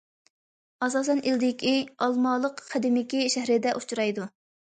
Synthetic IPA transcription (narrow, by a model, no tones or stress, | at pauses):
ɑsɑːsɛnʔild̪ɪkʲʰiɑlˠmɑːlˠəqːʰæd̪ɪmɪkʲiʃæhɾɪd̪ɛʔut͡ʃʰuɾɑjd̪u